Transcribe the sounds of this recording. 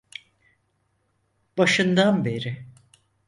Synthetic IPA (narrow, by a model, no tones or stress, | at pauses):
b̥aʃɯnd̪anbe̞ɾɪ